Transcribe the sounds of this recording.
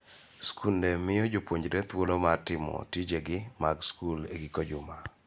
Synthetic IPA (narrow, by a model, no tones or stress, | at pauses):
skʰundemɪjɔd͡ʒopwoɲd͡ʒɾet̪wolomatɪmɔ̰tid͡ʒeɡɪmaɡskulḛɡikod͡ʒʊma